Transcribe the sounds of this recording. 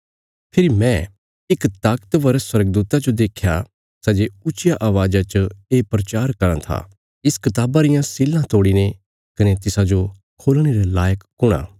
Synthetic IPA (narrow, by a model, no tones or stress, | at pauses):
pʰɪɾimɛ̃ | ɪkt̪aːkt̪ʋɐɾəswɐɾəɡəd̪uːt̪ad͡ʒod̪eːkʰːja | sɐd͡ʒeʊt͡ʃɪjaʔaːʋaːd͡ʒat͡ʃəeːpɾɐt͡ʃaːɾkɐɾãt̪ʰa̰ | ɪskɐt̪aːbaɾɪjãsɪlːãt̪oːɽine | kɐnet̪ɪsad͡ʒo | kʰoːlɽ̃eɾelaːjəkːʊɽ̃a̰ː